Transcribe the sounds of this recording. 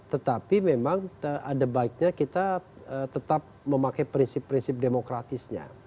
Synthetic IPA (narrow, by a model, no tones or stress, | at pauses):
t̪ət̪apimemaŋəʔadabaɪk̚ɲakit̪a | ət̪ət̪ap̚məmakajpɾinsɪpːɾinsɪp̚demokɾat̪ɪsɲa̰